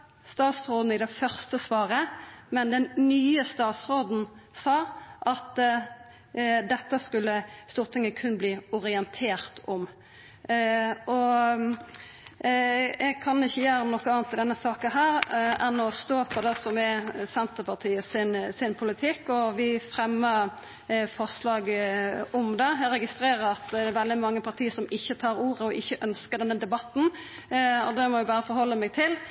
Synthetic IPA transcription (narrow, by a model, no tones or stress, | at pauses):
st̪ɑːt̪sʁoːd̪n̩ɪd̪ɛfœʁst̪əsʋɑːɾəmɛnd̪ɛnnyːəst̪ɑːt̪sʁoːd̪n̩sɑːʔɑt̪ | d̪ɛt̪ːəskʉlːəst̪uːʁt̪ʰɪŋːəkʰʉnːəbliːʊʁɪɛnt̪ʰeːʁt̪ɔm | ɔ | ɛɡkʰɑnɪçːəjæːɾɔmnɔkːəɑːɑnt̪ɪld̪ɛnːəsɑːkənɦæːʁɛnːɔst̪oːpʰɔd̪ɛsɔmɛsɛnt̪əpʰɑʁt̪ʰiːəsɪnsɪnpʰʊlɪt̪ʰɪkːɔʋɪfɾɛmːəɾ | fɔʁʂlɑːɡʊmd̪ɛɛɾɛɡɪst̪ɾeːɾəɾɑt̪d̪ɛɾʋɛld̪ɪmɑŋːəpʰɑɾt̪ʰiːəsɔmɪçːət̪ʰɑːɾuːɾʁəɔʔɪçːəʔœnskəɾd̪ɛnːəd̪ɛbɑt̪ːn̩ | ɔ̰d̪ɛmɔʋɪbɑːɾəfɔɾhɔlːəmɛːɡ̚t̪ʰɪl